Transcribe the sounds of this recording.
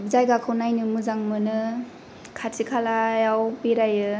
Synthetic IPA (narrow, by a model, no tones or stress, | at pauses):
zajɡakʰɯwnajnɯmɯzaŋmɯnɯ | kʰatʰikʰalajawpeɾajɯ